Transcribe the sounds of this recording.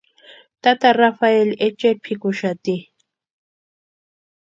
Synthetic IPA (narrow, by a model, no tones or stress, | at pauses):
t̪at̪aɾafaelet͡ʃepʰɪkʊʃat̪i